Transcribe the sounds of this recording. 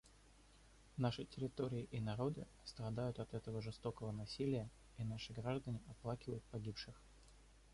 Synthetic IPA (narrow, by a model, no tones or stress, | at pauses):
naʂəjtʲɪɾʲɪt̪o̞ɾʲɪːʔɪnɐɾo̞d̪ɨ | st̪ɾɐd̪ajʊt̪ɐt̪ɛt̪əvəʐɨst̪o̞kəvənɐsʲilʲɪjə | inaʂɨɡɾaʐd̪ənʲɪʔɐplˠakʲɪvəjʊt̪̚pɐɡʲipʂɨx